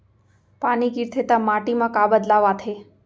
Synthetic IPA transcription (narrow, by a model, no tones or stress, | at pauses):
paːnikiɾt̪ʰet̪amaʈimãkabəd̪laʋaːt̪ʰe